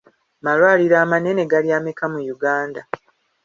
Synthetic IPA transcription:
malwaːliɾaːmane̞ne̞ɡaljaːmekamujuɡaːnda

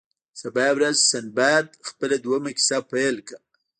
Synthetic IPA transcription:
sabɑjawɾazsanbajad̪xpəlad̪uwamakɪ̥sapajlka

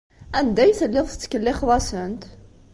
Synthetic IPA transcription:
ænd̪æjθəlːɪðˤst͡sːə̥kːəlːɪχðˤɑsənt̪

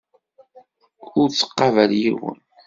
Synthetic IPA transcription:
ʊɾt͡sːə̥qːɑvæljiwə̰n

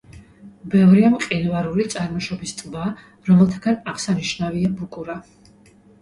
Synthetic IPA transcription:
bɛvɾiamqʼinvaɾulit̪sʼaɾmɔʃɔbist̪sʼba | ɾɔmɛlˠt̪ʰaɡanaʁsaniʃnaviabukʼuɾa

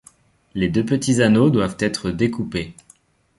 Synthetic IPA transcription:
led̪øpət̪izanod̪wavt̪ɛt̪χəd̪ekupe

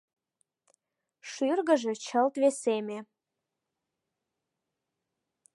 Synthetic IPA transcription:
ʃyrɣəʒĕt͡ɕəlt̪βeseme

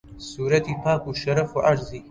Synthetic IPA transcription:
suːɾɐt̪ipʰaːkuʃɐɾɐfuʕaɾzi

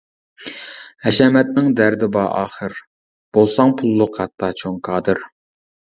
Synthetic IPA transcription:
hɛʃɛmɛt̪̚nɪŋd̪æɾd̪ɪbɑːʔɑ̰ːχəɾ | b̥olˠsɑŋpʰulˠːʊqhɑt̪ʰːɑt͡ʃʰoŋkʰɑːd̪ɨɾ

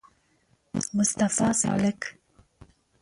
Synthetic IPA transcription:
mʊst̪afɑːsɪ̰ʕlak

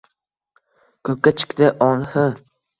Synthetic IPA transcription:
kʰɵkʲːat͡ʃʰɪ̥kʲd̪ɪʔɒnhɪ

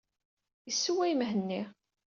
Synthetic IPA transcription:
əsːuwæjmɦənːi

